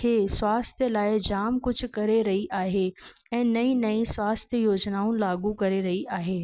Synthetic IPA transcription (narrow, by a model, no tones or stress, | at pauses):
kʰeːswaːst̪ʰjəlaːɪd͡ʑaːmkʊd͡ʑʱkɐɾeɾɐɦiʔaːɦeɛ̃ːnɐĩnɐĩswaːst̪ʰjəjoːd͡ʑnaːʊ̃nlaːɡukɐɾeɾɐɦiʔaːɦeː